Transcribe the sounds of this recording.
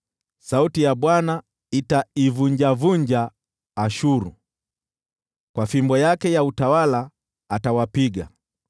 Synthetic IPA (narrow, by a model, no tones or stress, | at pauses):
sautijaɓwana | itaivuɲd͡ʒavuɲd͡ʒaː | ʃuɾṵ | kwafimbɔjakɛjautawalaː | tawapiɡa̰